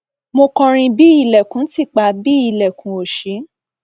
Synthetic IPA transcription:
mo˧kɔ̃˧ɾ̃ĩ˧bi˦i˦˧˨lɛ˨kũ˨˦ti˦˨k͡pa˧˨bi˦i˧lɛ˨kũ˨˦o˨ʃi˨˦

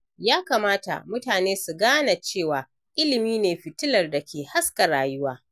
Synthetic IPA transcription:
jaː˦kaː˨maː˦ta̰˨mʊ˦taː˨neː˦su˨ɡaː˦na˨t͡ʃeː˦˨waː˨ | ʔɪ˦lɪ˨miː˦neː˨ɸɪ˨tɪ˦lɐ˨rdɐ˨kʲʰeː˨ha˦ska˨ɾaː˨jʊ˦waː˦

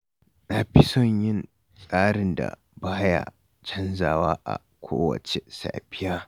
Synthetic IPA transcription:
na˨ɸɪ˦sɔ˦ɲjɪ˦n | sʼaː˦ɽɪ˨nda̰˨ | baː˦ja̰˦ | t͡ʃɐ˦nzaː˨waː˦ʔa̰˨ | kʷʰoː˦wɐ̰˨t͡ʃe˨sa̰ː˨ɸɪ˦jaː˦

